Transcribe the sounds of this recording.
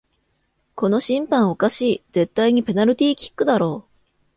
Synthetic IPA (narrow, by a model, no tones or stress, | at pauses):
ko̞no̞ɕĩmpãɰ̃o̞kaɕiːd͡ze̞t̪ːaiɲ̟ipe̞naɾɯ̟t̪ʲiːkʲi̥kːɯ̟d̪aɾo̞ː